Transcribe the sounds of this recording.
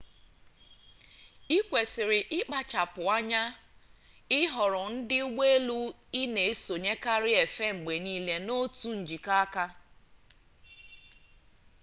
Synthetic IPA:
i˦kʷe˨sɪ˨ɾɪ˨ʔɪ˦k͡pa˦t͡ʃa˨pʊ˨a˦ɲa˦ | ɪ˦ɦɔ˨ɾɔ˨n̩˦dɪ˦u˦ɡ͡be˦e˦lu˦ | i˦ne˨e˦so˨ɲe˦ka˦ɾɪ˦e˨fe˦ŋ͡m̩˨ɡ͡be˨niː˦le˦no˦tu˦n̩˨d͡ʒi˨ka˦ka˦

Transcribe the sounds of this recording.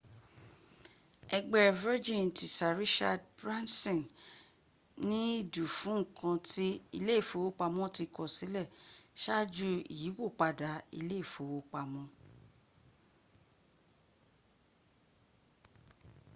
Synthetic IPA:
ɛ˧ɡ͡bɛ˦˨vɛ˦d͡ʒĩ˦˨n˨ti˨sa˨ɾi˦ʃa˧dbɾa˦nsɔ̃˨n | nĩ˦i˦˨du˨fũ˨˦ŋ̩˨kʰã˧ti˦i˧le˦˨fo˨˦wo˦k͡pa˧mɔ̃˦ti˧kɔ˨si˨˦lɛ˦˨ʃa˦˨d͡ʒu˦ḭ˨ji˨˦wo˦˨k͡pa˧da˨˦ḭ˧le˦i˦˨fo˨˦wo˦k͡pa˧mɔ̃˧˦

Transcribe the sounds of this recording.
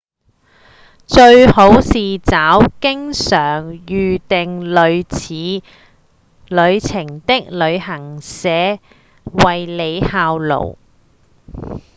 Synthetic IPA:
t͡ʃɵ˧ɥho˨˥wsiː˨t͡saː˨˥wkɪ˥ŋsœː˨˩ŋjyː˨t̪ɪ˨ŋlɵ˨˧ɥt͡sʰiː˨˧˥ | lɵ˨˧ɥt͡sʰɪ˨˩ŋt̪ɪ˥k̚lɵ˨˧ɥhɐ˨˩ŋsɛː˨˥ | wɐ˨jle˨˧jhaː˧wlo̰˨˩w

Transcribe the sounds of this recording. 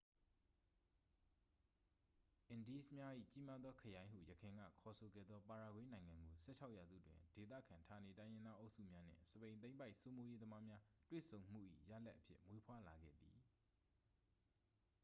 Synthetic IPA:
ʔɪ̃˨ndi˦smja˦ʔḭ˦˨t͡ɕi˦ma˦d̪ðɔ˦kʰəjã˦ɪ̃ɦṵ˦˨jəkʰã˨ŋɡa̰˦˨kʰɔ˨sʰo˨ɡɛ̰˦˨d̪ðɔ˦pa˨ɹa˨ɡwẽ˦nã˨ɪ̃ŋã˨ŋɡo˨sɛ̰˦˨t͡ɕʰa˦ʊʔja˨zṵ˦˨dwɪ̰̃˨de˨t̪̬ä̰˦˨kʰã˨ntʰa˨ne˨tã˦ɪ̃jɪ̃˦nd̪ða˦ʔo˦ʊsṵ˦˨mja˦n̥ɪ̰̃˦˨səpẽ˨ɪ̃n̬ẽ˦ɪ̃mpa˦ɪʔso˦mo˦je˦d̪əma˦mja˦twḛ˦˨sʰõ˨ʊ̃m̥ṵ˦˨ʔḭ˦˨jä̰˦˨la̰˦ʔːəpʰjɪ̰˦ʔmwe˦pʰwa˦la˨ɡɛ̰˦˨d̪i˨

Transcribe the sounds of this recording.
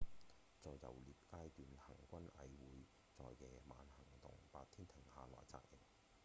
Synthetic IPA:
t͡sɔː˧jːɐ̰˨˩wliː˨p̚kaː˥jt̪yː˨˧nhɐ˨˩ŋkʷɐ˥nɐ˨˧jwuː˨˧j | t͡sɔː˧jːɛː˨ma̰ː˨˧nhɐ˨˩ŋt̪ʊ̰˨ŋpaː˧t̚t̪ʰiː˥nt̪ʰɪ˨˩ŋhaː˨lɔ̰ː˨˩jt͡sa̰ː˧k̚jɪ˨˩m

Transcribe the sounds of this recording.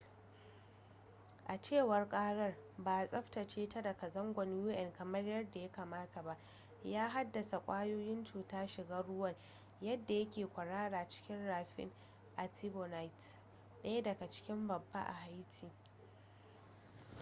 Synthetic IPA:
ʔa˨t͡ʃeː˦˨wɐ˨rkʼaː˦ɽɐ˦rbaː˨sʼɐ˦ɸtɐ˨t͡ʃeː˦ta˦dɐ˨ka˨zɐ˦ŋɡʷɐ˨njuː˦ʔɛ˨nkɐ˨mɐ˦rjɐ˦rda˨ja˦kaː˨maː˦ta˨ba˦ʔ | jaː˦ɦa˦dːɐ˨sa˨kʷʼaː˦joː˦jɪ˦nt͡ʃuː˨taː˦ʃɪ˨ɡaː˦ɽʊ˦wɐ˦˨r | jɐ˦dːa˨jɐ˦kʲeː˨kʷɐ˨ɽaː˦ɽaː˨t͡ʃɪ̥˦kʲɪ˦nɽaː˨ɸɪ̰˦ŋ | ʔa˨ti˦bo˨na˦jt | ɗɐ˦ja˦dɐ˨ɡa˨t͡ʃɪ̥˦kʲɪ˦mbɐ˨bːa̰˦ʔa̰˨ha˦jtʰiː˨

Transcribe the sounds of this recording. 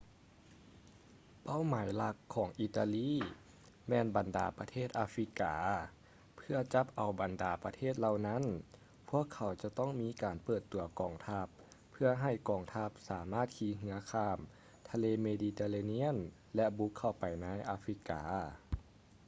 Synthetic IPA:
pa˥˨wmaː˨˦jla˧˥kʰːɔː˨˩˦ŋʔi˧t̪a˧liː˥˨ | mɛː˧nba˨nda̰ː˨˩pa˧t̪ʰeː˥˩t̪̚ʔaː˧fɾi˧˥kaː˨˦ | pʰɯ˧ɐt͡ɕa˧˦˥p̚ʔa˨˩wba˨˩ndaː˨˩pa˧t̪ʰeː˥˩t̪̚la˧˩wna˧˥˨n | pʰu˧˥˩əkʰːa˨˩˦wt͡ɕa˧˦t̪ɔ˥˩ŋmiː˧˥kaː˨npɤː˧˩t̪ːu˨˦ɐkɔː˨˩ŋt̪ʰa˧˥pʰː | ɯ˧ɐɦa˧˩jkɔː˨˩ŋt̪ʰa˧˥p̚saː˨˩˦maː˥˩t̪̚kʰiː˧˦ŋɯ˧˦ɐkʰaː˧˩m | t̪ʰa˧leː˧meː˧diː˧t̪eː˧laː˧ni˧˥ə˨n | lɛ˧˥bu˧˦˥kʰːa˧˩wpa˨˩jnaː˧˥jʔaː˧fɾi˧˥ka̰ː˨˦

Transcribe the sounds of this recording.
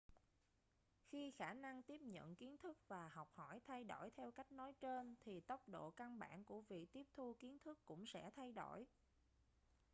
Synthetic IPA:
xi˧xaː˧˩na˧ŋt̪i˦˥əp̚ɲə̰˧˨nki˨˦ənt̪ʰɨ˦˥k̚vaː˨˩ha˨˩wk͡p̚hɔ˧˩jt̪ʰa˧jɗo˧˩jt̪ʰɛ˧wka˦˥jk̟̚nɔ˨˦jt͡ɕe˧nt̪ʰi˨˩t̪ə˦˥wk͡p̚ɗo̰˧˨ka˧nɓa̰ː˧˩˨nku˧˩əvḭ˧˨t̪i˦˥əp̚t̪ʰu˧ki˨˦ənt̪ʰɨ˦˥kːʊ̰˧˥ŋ͡msɛ̰˧˥t̪ʰa˧jɗo˧˩j

